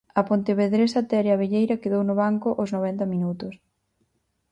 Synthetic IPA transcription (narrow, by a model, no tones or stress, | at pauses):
ɐpont̪eβeðɾesat̪ɛɾeɐβeʎejɾɐkeðownʊβaŋkʊʔoznoβ̞ɛnt̪ɐmĩnut̪ʊs